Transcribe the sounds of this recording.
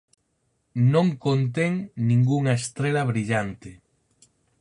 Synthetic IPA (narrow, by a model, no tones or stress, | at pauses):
nõŋkont̪̬eŋnĩŋɡuŋaest̪ɾelaβɾiʎant̪e